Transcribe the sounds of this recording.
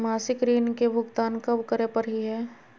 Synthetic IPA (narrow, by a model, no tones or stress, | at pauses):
maːsɪkɾiːnkebʱʊɡt̪aːnkɐbkəɾepəɾɦiɦɛː